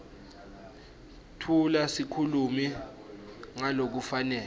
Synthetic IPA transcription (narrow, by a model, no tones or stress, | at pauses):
tʰulasikʰulumi | ŋalok̬ufanɛː